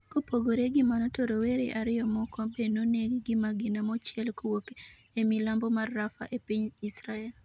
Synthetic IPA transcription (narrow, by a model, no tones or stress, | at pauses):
kopʰoɡoɾeɡɪmanɔtoɾoweɾeʔaɾɪjɔmɔkɔbenoneɡɡɪmaɡɪnamɔt͡ʃɪɛlkowok | emilambɔmarːafa̰ʔepiɲisɾaɛl